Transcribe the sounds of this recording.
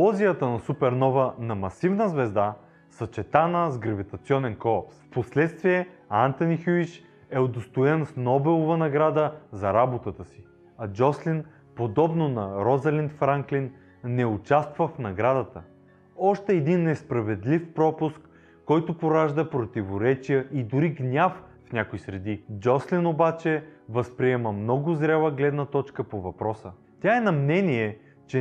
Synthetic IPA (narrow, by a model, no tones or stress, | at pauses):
ɔzijət̪ənɐsupɛɾnɔvənɐmɐsivnəzvɛzd̪a | sɐt͡ʃɛt̪anəzɡɾɐvit̪ɐt̪siɔnɛnkɔlˠɐpsfposlɛt̪st̪viɛant̪ɐnixuit͡ʃ | ɛod̪ost̪oɛnsnɔbɛlˠovənɐɡɾad̪əzɐɾabot̪ət̪əsi | ɐd͡ʒɔslin | pod̪ɔbnonɐɾɔzɐlint̪fɾaŋklinː | ɛʊt͡ʃast̪vəfnɐɡɾad̪ət̪ə | ɔʃt̪ɛːd̪inːɛspɾɐvɛd̪lifpɾɔpʊskː | ɔjt̪ʊpoɾaʒd̪əpɾot̪ivoɾɛt͡ʃijəʔid̪ʊɾiɡnʲaffnʲakoisɾɛd̪id͡ʒɔslinobat͡ʃɛvəspɾiɛməmnɔɡʊzɾʲalˠəɡlɛd̪nət̪ɔt͡ʃkəpovɐpɾɔsə | t̪ʲjaɛnɐmnɛniɛ | t͡ʃɛ